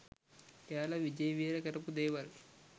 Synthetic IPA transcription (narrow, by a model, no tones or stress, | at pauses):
kaːlɐʋid͡ʒɐjɐʋiːɾɐkɐɾɐpud̪eːʋɐl